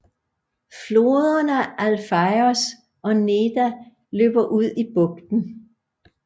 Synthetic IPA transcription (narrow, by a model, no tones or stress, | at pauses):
flo̝ːðˠɐnæʔælfɑɪɔs | ʔɒ̽ne̝d̥æ | lø̰ːb̥ɐʔuð̞̰ˠib̥ɔ̽ɡ̥̚d̥n̩